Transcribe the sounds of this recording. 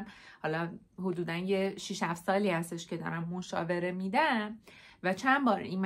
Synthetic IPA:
mhɒːlɒ | hod̪uːd̪ænjeʃiʃhæfsɒːliːhæst̪e̞ʃcʰe̞d̪ɒ̰ːɾæmːoʃɒ̰ːve̞ɾe̞mid̪æmvæt͡ʃʰænbɒːɾḭːnm

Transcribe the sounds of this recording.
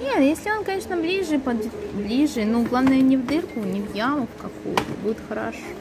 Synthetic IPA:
nʲet̪jesʲlʲɪo̞nkɐnʲeʂnəblʲiʐɨpɐd̪ʲblʲiʐɨnuɡlˠavnəjʊnʲɪvd̪ɨrkʊnʲɪvjaməkkɐkṵjʊ̰t̪əbudʲɪt̪xɐɾaʂ

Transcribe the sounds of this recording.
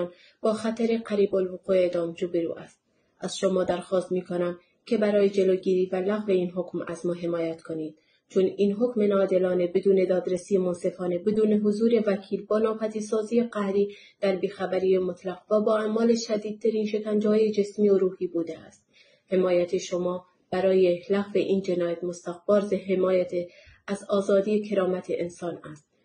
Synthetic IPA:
n | b̥ɒːxæt̪ʰæɾe̞qæɾiːbolvoquːeeːd̪ɒːmd͡ʒobeɾṵːʔæ̰st̪̚ | æz̥ʃomɒːd̪æɾxɒːst̪miːkʰonæm | kʰe̞bæɾɒːjed͡ʒe̞loɡiːɾiːvælæɣve̞iːnɦokmæzmɒːɦe̞mɒːjæt̪kʰoniːd̪̥ | t͡ʃʰoninɦokmenɒːd̪elɒːnebed̪uːne̞d̪ɒːd̪ɾesijemonse̞fɒːnebed̪uːne̞ɦozuːɾe̞vækʰiːlbɒːnɒːpʰæd̪iːsɒːziːjeqæhɾiː | d̪̥æɾbiːxæbæɾiːjemot̪ʰlæɣvæbɒːæmɒːle̞ʃæd̪iːd̪̚t̪ʰæɾiːnʃe̞kænd͡ʒhɒːje̞d͡ʒe̞smioɾuːhiːbuːd̪eæ̰st̪̚ | he̞mɒːjæt̪ʰeʃomɒː | b̥æɾɒːjelæɣve̞ʔiːnd͡ʒe̞nɒːjæt̪most̪æɣbɒːɾzeɦe̞mɒːjæt̪ʰeæzɒːzɒːd̪ijekʰe̞ɾɒːmæt̪ʰeʔensɒːnæst̪̚

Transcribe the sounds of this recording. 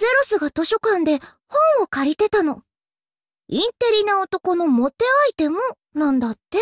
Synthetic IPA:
e̞ɾosɨɡat̪o̞ɕo̞kãnd̪e̞ | hõ̞ɰ̃o̞kaɾʲit̪e̞t̪ano̞ | ĩnt̪e̞ɾʲinaot̪o̞ko̞no̞mo̞t̪e̞ait̪e̞mo | nãnd̪at̪ːe̞

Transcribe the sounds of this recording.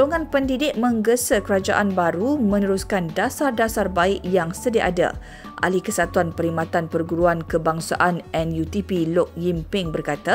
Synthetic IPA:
oŋãnpəndidɪʔ̚mə̃ŋɡəsəkəɾad͡ʒaʔanbaɾumə̃nəɾuskandasardasarbaɪʔjaŋsədiʔada̰ | ʔa̰likəsat̪uanpəɾimat̪anpərɡuɾuankəbaŋsa̰ʔanɛnjut̪ipilɔk̚jimpɪŋbərkat̪a

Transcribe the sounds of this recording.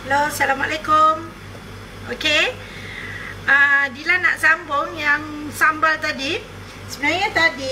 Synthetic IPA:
halosalamaʔlakʊm | oke | ədilana̰ʔsambʊŋjaŋsambalt̪adi | səbənaɲat̪adi

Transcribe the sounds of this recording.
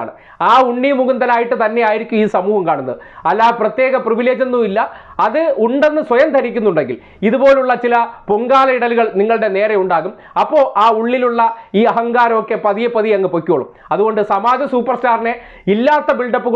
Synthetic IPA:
ɳɨ | aːuɳːimuɣund̪ɐnaːjiʈːɨt̪ɐnːe̞jaːjiɾikʲːumiːsɐmuːhɐmkaːɳunːɐðɨɐlːaːprɐt̪jeːɣɐpriʋile̞ːd͡ʑɐnːuilːɐː | ðɨuɳɖe̞nːɨswɐjɐmt̪ʰɐɾikʲːunːuɳɖeŋɡil | iðubo̞ːluɭːɐt͡ɕilɐpoŋɡaːlɐiɽɐluɣɐɭniŋːɐɭɽe̞ne̞ːrɐuɳɖaːɣum | ɐpːo̞ːʔaːuɭːiluɭːɐiːɐɦɐŋɡaːɾɐmo̞kːe̞pɐðijɐpːɐðijɐŋːɨpokʲːuɐɭṵm | ɐðuɣo̞ɳɖɨsɐmaːd͡ʑɐsuːpːɐrstaːrne̞ | ilːaːt̪ːɐbiɭɖɐpːu

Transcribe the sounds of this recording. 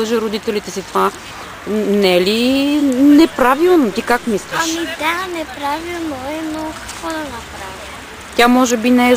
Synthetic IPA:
əʒɛɾod̪it̪ɛlit̪ɛsit̪ova | nɛli | nɛpɾavilˠnot̪ikakmislʲiamid̪anɛpɾavilˠnoɛnokɐ̥kvɔd̪ɐnɐpɾavi | t̪ʲamɔʒɛbinɛɛ

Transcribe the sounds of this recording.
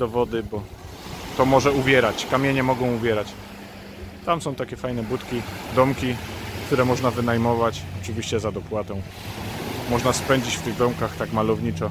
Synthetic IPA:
d̪ɔvɔd̪ɘbɔ | t̪ɔmɔʐɛubʲjɛɾat͡ɕkamʲjɛɲɛmɔɡɔ̃w̃uvʲjɛɾat͡ɕ | t̪amsɔ̃w̃t̪akʲɛfajnɛbut̪kʲid̪ɔmkʲikt̪uɾɛmɔʐnavɘn̪ajmɔvat͡ɕɔt͡ʂɘvʲiɕt͡ɕɛzad̪ɔpwat̪ɔ̃w̃ | mɔʐnaspɛɲd͡ʑit͡ɕft̪ɘɣd̪ɔmkaxt̪akmalɔvɲit͡ʂɔ

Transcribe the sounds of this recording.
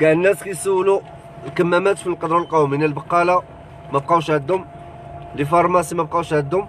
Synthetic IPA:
ɡæʕənːæskæjsuwːlu | lkəmːæmæt̪filqɑd̪ɾˤɑlqɑwminəlbɑqːɑla | mæb̚qɑwʃʕəd̪ʊm | lifɑɾˤmæsimæb̚qɑwʃʕəd̪ʊm

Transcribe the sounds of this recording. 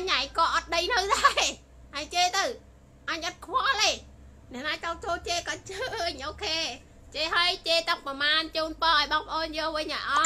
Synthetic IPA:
ɲaŋkɑːʔɑt̪̚ɗəjnɨwɗaɛ | ʔat͡ɕeːt̪əw | ʔɑɲət̪̚kʰwɔleː | nɛ̆əʔnaːt͡ɕɑt͡ɕoːt͡ɕeːkɑt͡ɕəʔɲʔoːkʰeː | t͡ɕeːɦajt͡ɕeːt̪əŋpɑmaːnt͡ɕuːnpɑːʔəɔjɓɑːŋpʰə̆ʔoːnjɔːlʋɨɲʔajʔɑ

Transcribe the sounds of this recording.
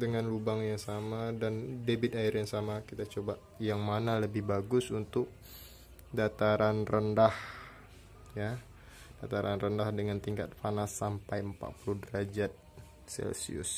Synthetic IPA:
dəŋanlubaŋjaŋsamadandebɪt̪̚aɪrjaŋsamakit̪at͡ʃoba | jaŋmanaləbɪhbaɡʊsunt̪ʊk̚ | dat̪aɾanrəndah | ja | d̥at̪aɾanrəndahdəŋant̪iŋka̰t̪̚fanasːampajəmpa̰ʔ̚puluhdəɾad͡ʒat̪̚ | sɛ̰lsḭʊ̰s

